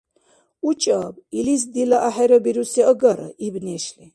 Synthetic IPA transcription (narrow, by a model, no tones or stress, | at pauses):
ut͡ʃʼabilis̬d̪ilaʔaħɛɾɔbiɾusɛɔɡaɾa̰ʔibnɛʃli